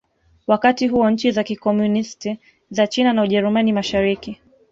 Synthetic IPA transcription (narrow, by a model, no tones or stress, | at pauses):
wakatiɦuɔɲ̩t͡ʃizakikɔmunisti | zat͡ʃinanauʄɛɾumanimaʃaɾiki